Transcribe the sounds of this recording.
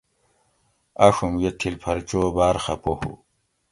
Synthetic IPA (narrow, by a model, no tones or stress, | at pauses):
aʂumjet̪ʰilpʰɐɾt͡ɕoːbaːɾxɐpohṵ